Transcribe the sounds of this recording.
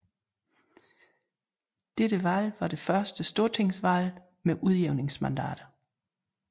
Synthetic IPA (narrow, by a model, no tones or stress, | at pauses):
d̥ed̥əʋælʋɑ̈d̥e̝fɶɐsd̥əsd̥o̝ɐt͡sʰe̝ŋ̰sʋæl | meʔuð̞ˠjeʊne̝ŋsmænd̥æ̰ːd̥ɐ